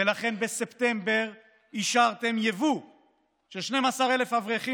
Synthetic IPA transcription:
elaχe̞nbese̞pt̪embe̞ʁ | iʃaʁt̪e̞mjevu | ʃeʃne̞masaʁe̞le̞fhavʁeχi

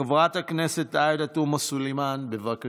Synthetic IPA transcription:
avʁat̪hakneset̪ajd̪atumasulemanbevaka

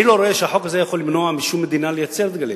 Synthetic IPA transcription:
ilo̞ɾoeʃeaħokazejaχolːimnoamiʃumːed̪inalejat͡seɾd̪ɡali

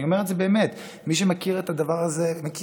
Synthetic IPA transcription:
io̞me̞etzebeːmet | miʃ̬emakiʁet̪ad̪avaʁazemaki

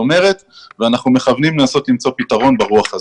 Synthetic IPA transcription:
ome̞ʁe̞t̪ | veanaχnume̞χavnimlenaso̞t̪limt͡so̞pitaʁo̞nbeʁuaχa

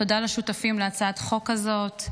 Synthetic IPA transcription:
to̞dalaʃutafimleat͡saat̪χo̞kazo̞t

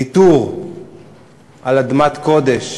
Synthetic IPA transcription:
it̪uʁ | ʔalad̪mat̪ko̞d̪eʃ

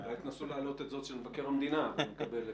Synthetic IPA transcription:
vit̪nasulaːlo̞t̪et̪zo̞t̪ʃelvake̞ʁamd̪inavemekabe̞le

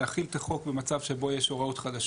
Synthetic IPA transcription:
aχilt̪aχo̞kbemat͡savʃe̞bo̞jeʃo̞ʁaut̪χad̪aʃ

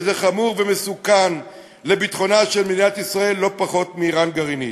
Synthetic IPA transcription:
zeχamuʁveme̞sukan | le̞bit̪χo̞naʃelmidinat̪isʁae̞lːo̞paχo̞t̪miːʁanɡaʁini

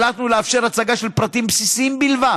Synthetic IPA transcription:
lat̪nuleafʃe̞ʁat͡saɡaʃe̞lpʁat̪impsisiimbilva

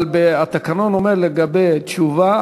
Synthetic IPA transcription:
lbeat̪akano̞nomeʁleɡabejt̪t͡ʃuva

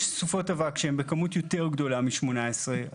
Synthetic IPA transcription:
ʃsufo̞tavakʃeembe̞kamutjo̞te̞ʁɡd̪o̞lamiʃmo̞naesʁe

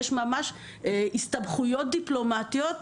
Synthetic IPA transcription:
ʃmamaʃ | ist̪abχujo̞t̪̚d̪iplo̞mat̪iot̪

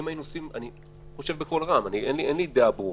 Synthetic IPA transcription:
mainuosima̰ni | χo̞ʃevbeko̞lʁamanienlienlid̪eabu

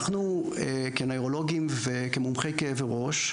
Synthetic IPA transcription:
χnu | e | kenojʁo̞lo̞ɡimvekemumχejkeeveʁo̞ʃ

